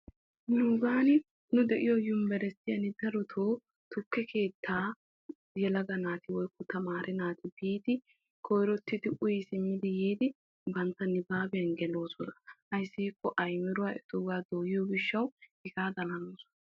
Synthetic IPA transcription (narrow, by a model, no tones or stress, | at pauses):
nuɡaːnɪ | nʊd̪ɛʔɪjɔjʊmbɛɾɛsɪjɐnɪd̪ɐɾɔt̪ʰoː | t̪ʊkːɛkʰe̞ːt̪ʰːaː | jɛlɐɡɐnaːt̪ɪwɔjkːɔt̪ɐmaːɾʔɛnaːt̪ɪbiːt̪ɪ | kʰɔjɾɔt̪ːɪd̪ɪʔʊjɪsɪmːɪd̪ɪjiːd̪ɪ | bɐnt̪ːɐnːɪbaːbɛjɐnɡɛlo̞ːsɔnɐhɐjsːiːkːɔʔɐjmɪɾʊwaʔɛt̪ʊɡaːd̪oːjɪjoɡɪʃːɐwɪɡaːd̪ɐlɐnoːsɔ̥nɐ